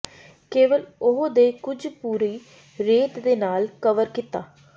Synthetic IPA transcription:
keːʋəlʊɦod̪eːkʊd͡ʒpuːɾiː | ɾeːt̪d̪eːnaːlkəʋəɾkɪt̪aː

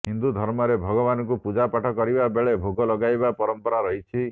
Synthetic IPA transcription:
ɦind̪ud̪ʱɔɾmɔɾebʱɔɡɔbanɔk̬upud͡ʒapaʈʰɔkɔɾibabeɭebʱoɡɔlɔɡajbapɔɾɔmpɔɾaɾɔɦit͡ʃʰi

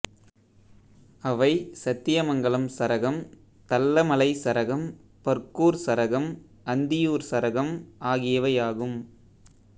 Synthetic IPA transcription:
ɐʋɐɪsɐt̪ːɪjɐmɐŋɡɐɭɐmsɐɾɐɣɐm | t̪ɐlːɐmɐlɐɪsɐɾɐɣɐmpɐɾkuːɾsɐɾɐɣɐm | ɐnd̪ɪjuːɾsɐɾɐɣɐmʔaːɣɪjɐʋɐjaːɣɯm

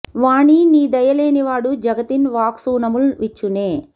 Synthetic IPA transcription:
ʋaːɳiniːd̪ɐjɐle̞ːniʋaːɽud͡ʒɐɡɐt̪inʋaːksuːnɐmulʋit͡ʃːuneː

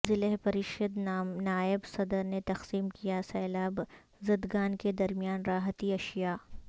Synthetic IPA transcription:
zɪleɦpɐɾɪʃəd̪naːɪbsɐd̪əɾnet̪ɐqsiːmkijasɛːlaːb | zɐd̪ɡaːnked̪ɐɾmijaːnɾaːɦət̪iɐʃjaː

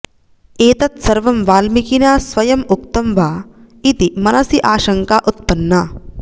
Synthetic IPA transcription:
eːt̪ɐt̪sɐɾʋɐmʋaːlmikinaːsʋɐjɐmuk̚t̪ɐmʋaː | it̪imɐnɐsiʔaːʃɐŋkaːʔut̪̚pɐnːɐ

